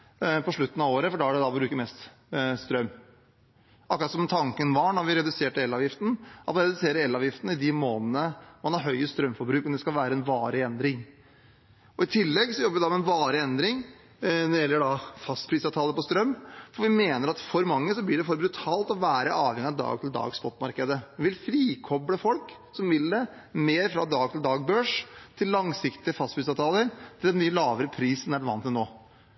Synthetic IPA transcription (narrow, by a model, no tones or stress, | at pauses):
pɔʂɭʉt̪ːənɑʋoːɾəfɔɖɑæɖɛd̪ɑbɾʉːkəɾmɛst̪ | st̪ɾœmː | ʔɑkːɾɑt̪sɔmt̪ʰɑŋkənʋɑɳɔɾʋɪɾɛd̪ʉseːʈəɛlːɑːʋjɪft̪n̩ʔɑt̪mɑnɾɛd̪ʉseːɾəɾɛlːɑːʋjɪft̪ənəɪd̪ɪmoːnənəmɑnhɑɾɦœʏəst̪ɾœmfɔɾbɾʉːkɔmd̪ɛskɑlʋæːɾəɛnʋɑːɾəɛnd̪ɾɪŋ | ɔɪt̪ʰɪlːɛɡsɔjɔbːəʋɪd̪ɑmɛnʋɑːɾəɛnd̪ɾɪŋ | ɾjɛlːəɖɑfɑst̪pʰɾiːsɑːt̪ʰɑːləɾpɔst̪ɾœmːfɔʋɪmeːnəɾɑt̪fɔɾmɑŋːəsɔblɪɖɛfɔɾbɾʉt̪ʰɑːlt̪ɔʋæːɾəʔɑːʋhɛŋɪɑʋd̪ɑ̰ːɡ̚t̪ʰɪld̪ɑ̰ːɡsbɔt̪ːmɑɾkəd̪əʋɪlfɾiːkʰɔbɽəfɔlk | sɔmʋɪlːə | meːɾfɾɑ̰d̪ɑːɡt̪ʰɪld̪ɑːɡ̚bøːʂt̪ʰɪlːɑŋsɪkt̪ɪəfɑst̪pɾiːsɑːt̪ʰɑːləɾt̪ʰɪld̪ɛnyːəlɑːʋəɾəpʰɾiːsɔnæʋɑnt̪ːɛnoː